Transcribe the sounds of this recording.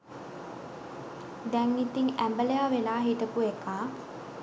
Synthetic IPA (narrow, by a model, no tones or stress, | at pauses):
d̪ɛŋit̪iŋæmbəlejaːʋenaːɦit̪əpuekaː